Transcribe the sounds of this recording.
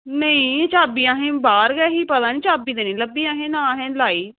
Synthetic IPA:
nəĩːt͡ʃaːbiːãːɦẽːbaːɾɡɛːɦiːpət̪aːnĩːt͡ʃaːbiːd̪eːnẽːləbːiːaːɦẽːnãːɦɛ̃ːlaːiː

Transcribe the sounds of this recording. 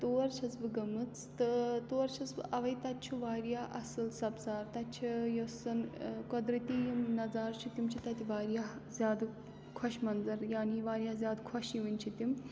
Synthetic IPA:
t̪oːɾt͡ʃʰɐt͡sbɨɡɐmɨt͡sʰt̪ɨt̪oːɾt͡ʃʰɐt͡sbɨʔɐʋɐjt̪ɐtt͡ʃʰuʋaːɾjaːʔɐsɨlsɐbzaːɾt̪ɐt͡ʃʰijosɐnkɔd̪ɾɐt̪ijimnɐd͡zaːɾt͡ʃʰut̪imt͡ʃʰit̪ɐt̪iʋaːɾjaɦzʲjaːd̪ | kʰɔʃmɐnzɐɾjaːniʋaːɾjazʲaːd̪kʰɔʃiʋɨnʲt͡ʃʰit̪im

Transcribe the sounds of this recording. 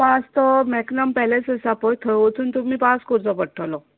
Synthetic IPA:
past̪ɔmɛknampɛlesəsapɔjt̪ʰəot̪ʰuːnt̪umiːpaskɔɾt͡sɔpəɽʈʰalɔ

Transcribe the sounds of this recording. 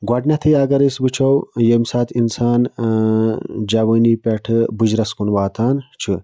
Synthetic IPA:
ɡwɐɖnʲɐt̪ʰijɐɡɐɾisbɨt͡ʃʰowjemsaːt̪ʰinsaːn | d͡ʒɐwɐːniːpʲɐʈʰɨbud͡ʒɾɐskunʋaːt̪ʰaːnt͡ʃʰu

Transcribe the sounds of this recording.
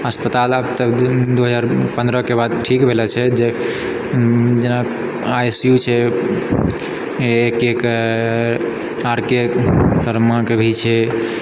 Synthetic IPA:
əspət̪alabt̪əd̪uɦəd͡ʒaɾpə̃nd̪ɾəkebad̪ʈʰikbʱelɛt͡ʃʰɛd͡ʒe | d͡ʒena | ajsjut͡ʃʰɛ | ekek | aɾkesəɾmãkebʱit͡ʃʰɛ

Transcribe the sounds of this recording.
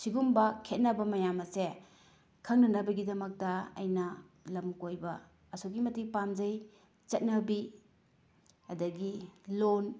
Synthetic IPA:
siɡumbɐkʰet̚nɐbɐmɐjamɐse | kʰɐŋnɐnɐbɐɡidɐmɐk̚tɐɐ̰jnɐ | lɐmkojbɐ | ɐsoɡimɐtipamd͡ʒɐj | t͡ʃɐt̚nɐbi | ɐdɐɡilon

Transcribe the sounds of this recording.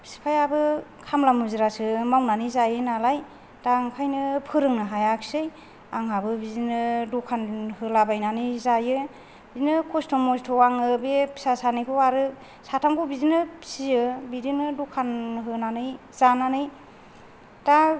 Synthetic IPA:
si̥pʰajabɯkʰamlamuzɯɾasɯmawnanɯzajɯnalaj | d̥aŋkʰajnɯpʰɯɾɯŋnɯɦajaksɯj | aŋɦabɯbizinɯdukʰanhɯlabajnanɯjzajɯ | bizinɯkʰɔstʰɔmɔstʰɔwaŋɯbepʰi̥sasanijpʰɔwaɾɯ | satʰamɡubizinɯsiɯbidinɯdukʰanɦɯnanɯj | zananɯj | d̥a

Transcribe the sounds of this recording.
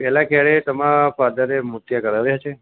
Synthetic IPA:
pɛɦlakjaɭet̪əmãfad̪əɾemʊt̪jakəɾaʋjat͡ʃʰe

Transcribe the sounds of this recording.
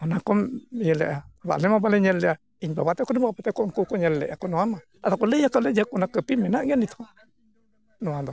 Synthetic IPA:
onãkomjəleʔaβa̰nemãbaleɲẽleʔa | iɲbaβat̪ekonĩbabat̪ekonkukoɲẽlːḛʔakonõamã | at̪akolejakaled͡ʒakunãkəpimẽnãɡanit̪ʰõ | nũãnd̪o

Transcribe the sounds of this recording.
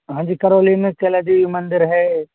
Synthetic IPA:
ɦãːd͡ʒiːkɐɾoːlinkelad̪eːʋimɐ̃nd̪ɪɾɦɛ

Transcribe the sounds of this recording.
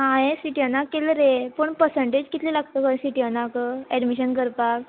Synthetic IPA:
ɦajẽsiʈiənakːelɾepəɳpəɾsəɳʈed͡ʑkit̪lilaɡt̪əkə̃siʈiənakɛɖmiɕənkəɾpak

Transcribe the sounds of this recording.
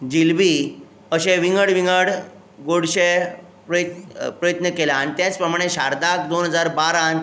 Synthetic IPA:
d͡ʑilbiː | əɕẽʋiŋɡəɽʋiŋɡəɽ | ɡoɽɕe | pɾət̪pɾəjət̪nəkelaːɽ̃it̪jãt͡spɾəmaɽ̃eɕaɾd̪akd̪onɦəd͡zaɾbaɾãn

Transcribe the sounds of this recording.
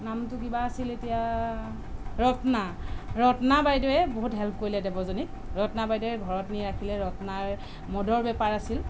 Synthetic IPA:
namtʊkibaːsiletija | ɹɔtnaɹɔtnabajdɔjɛboɦutɦɛlp̚ʰkoɹilɛdebɔzonik̚ | ɹɔtnabajdɔɛɡʱɔɹɔtniɹakʰilɛɹɔtnaɹ | mɔdɔɹbɛpaɹasil

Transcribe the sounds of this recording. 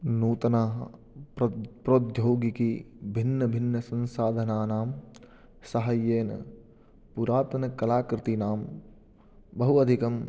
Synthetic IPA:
nuːt̪ɐnaːɦɐ | pɾoːd̪joːɡikibʱɪnːɐbʱɪnːɐsɐ̃nsaːd̪ʱɐnaːnaːm | sɐɦɐjːeːnɐ̰ | puɾaːt̪ɐnɐkɐlaːkɾɪt̪inaːm | bɐɦuɐd̪ʱikɐm

